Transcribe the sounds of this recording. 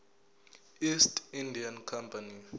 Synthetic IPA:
istindʱiankʰampʰʼani

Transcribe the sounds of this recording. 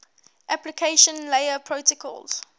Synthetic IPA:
ʔæplikʰeɪʃə̃nleɪəpʰɹoʊtəkʰɔ̰lz̥

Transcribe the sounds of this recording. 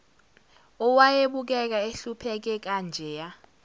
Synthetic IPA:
ɔwajeɓuk̬ɛk̬aeɬupʰɛk̬ɛk̬and͡ʒʱɛːja

